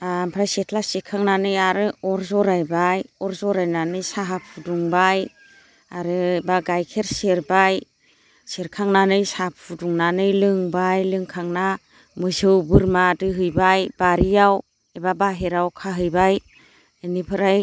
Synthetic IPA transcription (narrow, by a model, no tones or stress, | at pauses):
ampʰɾajsetʰlasikʰaŋnanɯjaɾɯɔɾzɔɾajbajɔɾzɔɾajnanɯjsaɦapʰuduŋbaj | aɾɯbaɡajkʰeɾseɾbaj | seɾkʰaŋnanɯjsapʰuduŋnanɯjlɯŋbajlɯŋkʰaŋna | mɯzɯwbɯɾmadɯɦɯjbajbaɾijaw | ebabaɦeɾawkʰaɦɯjbaj | ɯnipʰɯɾaj